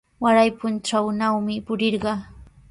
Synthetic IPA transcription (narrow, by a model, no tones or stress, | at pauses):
waɾajpʊnʈ͡ʂawnawmɪpʊɾɪɾɢɑ